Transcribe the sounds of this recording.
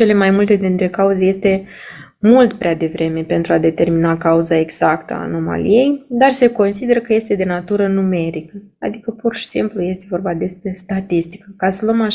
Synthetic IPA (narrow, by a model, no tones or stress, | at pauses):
t͡ʃe̞le̞majmult̪e̞d̪int̪ɾe̞kauzeje̞st̪e̞ | mult̪pɾead̪e̞vɾe̞me̞pe̞nt̪ɾuad̪e̞t̪e̞rminakauzae̞ɡz̥akt̪əa̰ːno̞ma̰lḭje̞jd̪arse̞ko̞nsid̪e̞ɾəkəje̞st̪e̞d̪e̞nat̪uɾənume̞ɾikəad̪ikəpurʃi̥simpluje̞st̪e̞vo̞rbad̪e̞spɾe̞st̪at̪ist̪i̥kəkasəluəma